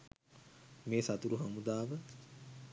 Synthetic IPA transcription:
meːsat̪uɾuɦamud̪aːʋə

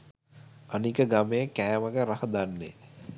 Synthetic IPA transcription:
anikəɡamejəkæːməɡəɾahəd̪anːḛ

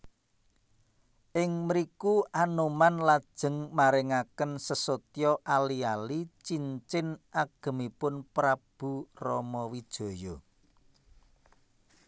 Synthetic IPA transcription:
ʔɪŋməɾikuʔanomanlad̥ʒ̥ə̤ŋmaɾɪŋakənsəsot̪jɔʔalialit͡ʃiɲt͡ʃɪnʔaɡ̥ə̤mipʊnpɾab̥ṳrɔmɔwid̥ʒ̥o̤jɔ

